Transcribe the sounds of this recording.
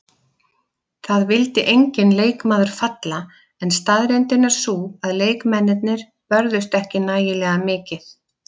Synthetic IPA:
θaðvɪlt̪ɪʔejɲcɪnleːjkmaːðʏɾ̥fat̪la | ɛnst̪aðɾɛnt̪ɪnːaɾ̥suːaðleːjkmɛnːɪt̪̚nɪɾ̥ | pœɾðʏst̪ɛhcɪnaːjɪlɛːɣamɪːcɪθ

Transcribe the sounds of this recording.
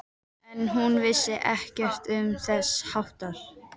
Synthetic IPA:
ɛnɦunvɪsːɪʔɛhcɛr̥t̪ʏmθɛshawht̪aɾ̥

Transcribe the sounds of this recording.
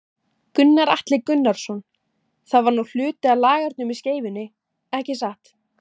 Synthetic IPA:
kʏnːaɾaht̪lɪkʏnːaɾ̥sɔn | θaðvaɾnul̥ʏːt̪ɪalaːɣaɾt̪nʏmisceːjvɪnːɪ | ɛhcɪs̬aht̪

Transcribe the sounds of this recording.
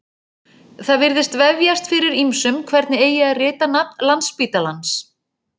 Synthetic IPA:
θaðvɪɾðɪst̪vɛvjast̪fɪɾɪɾimsʏmkʰvɛɾt̪nɪeːjɪaðrɪːt̪anap̚nlanspiːt̪alans

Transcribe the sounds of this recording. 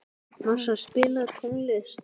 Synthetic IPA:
nasaspɪːlaðt̪ʰɔŋlɛs

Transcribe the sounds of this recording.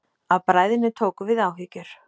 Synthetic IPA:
aðpɾaːjðɪnːɪt̪ʰoːwkʏvɪðaːwɦiːcʏɾ̥

